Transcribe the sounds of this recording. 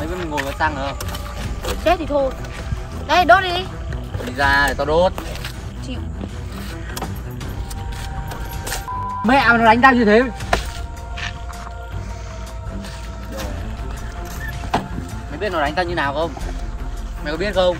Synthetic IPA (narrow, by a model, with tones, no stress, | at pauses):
a˨˦i˦˥nmi̟˨˩ŋo˨˩vəː˨˩t̪a˧ŋʔəː˧˩ | o˧˩t͡ɕe˦˥t̪̚ʰi˨˩t̪ʰo˧˩j | ɗə˧jɗɔ˦˥t̚ɗi˧˩ | ɔ˨˧˩i˨˩zaː˧˨˩t̪ɔː˧˩ɗo˦˥t̚ | t͡ɕḭ˧˨w | mɛ˧˨a˨˩nɔ˨˦˩ɗa˨˦ŋ̟t̪aː˧wzi˨˩t̪ʰe˨˦˩ | m˨jɓi˦˥ənɔ˨˩ɗa˨˦ŋ̟t̪aː˧˩ɲɨ˧naː˨˩wxə˧wŋ͡m | ma˨˩kɔ˧˦ɓi˦˥ət̚xə˧wŋ͡m